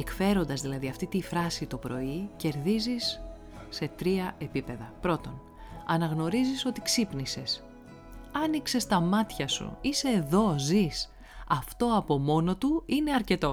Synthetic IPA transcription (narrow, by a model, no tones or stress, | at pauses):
ekfe̞ɾo̞nd̪ɐzðilɐðiɐft̪it̪ifɾɐsit̪opɾo̞ice̞ɾðizisː | e̞t̪ɾiɐʔe̞pipe̞ðɐpɾo̞t̪o̞n | ɐnɐɣno̞ɾiziso̞t̪iksipnise̞s | ɐnikse̞st̪ɐmɐt̪çɐsṵiseːðo̞zis | ɐft̪o̞ɐpo̞mo̞no̞t̪uine̞ɐɾce̞t̪o̞